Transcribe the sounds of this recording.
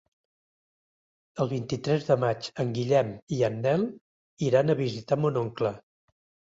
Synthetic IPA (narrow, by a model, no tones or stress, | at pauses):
əlˠβ̞int̪it̪ɾɛzðəmat͡ʃəŋɡiʎɛmiənːɛlˠ | iɾanəβizit̪amunoŋklə